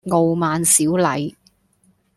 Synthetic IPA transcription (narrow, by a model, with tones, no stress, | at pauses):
ŋo˨wmaː˨nsiː˨˥wlɐ̰˨˧j